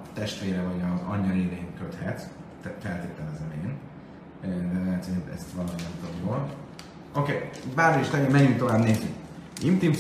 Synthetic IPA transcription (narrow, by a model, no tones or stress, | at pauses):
t̪ɛʃt̪ʋeːɾɛvɒɟɒzɒ̰ɲːɒled̪enkøt̪hɛt̪ | fɛlt̪eːt̪ɛlɛzɛmḛːn | ɛɛt̪eint̪ɛ̰st̪ʋɒlominɛmt̪omjoːl | o̞keːbaːɾoiʃt̪ɛɡimɛɲynt̪o̞vaːbneːzyk | imt̪im